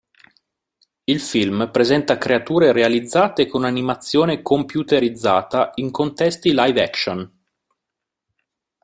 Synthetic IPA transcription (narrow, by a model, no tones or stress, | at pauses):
ilfilmpɾezɛnt̪akɾeat̪uːɾeɾealid̪zːaːt̪ekonanimat̪sːjoːnekompjut̪eɾid̪zːa̰ːt̪aiŋkont̪ɛst̪ilajvɛkʃon